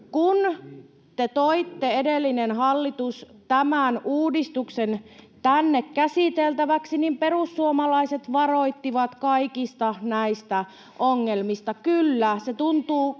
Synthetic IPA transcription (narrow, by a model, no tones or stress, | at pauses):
kun | t̪et̪oit̪ːeedelːinenhɑlːit̪ust̪æmænuːdist̪uksent̪ænːekkæsit̪elt̪æʋæksinimperusːuomɑlɑiset̪ʋɑroit̪ːiʋɑt̪kɑikist̪ɑnæist̪æ | ʔoŋːelmist̪ɑkylːæset̪unt̪uː